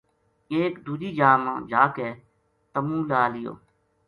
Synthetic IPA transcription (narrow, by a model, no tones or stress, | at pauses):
eːkd̪uːd͡ʒiːd͡ʒaːmãːd͡ʒaːkeː | t̪əmũːlaːlɪjo̰ː